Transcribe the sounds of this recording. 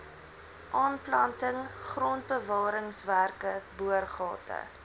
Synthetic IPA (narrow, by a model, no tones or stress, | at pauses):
ʔɑːnplɐntəŋχrɔnt̚bəvɑːɾəŋsværkəbuərχɑ̰ːtʰə̰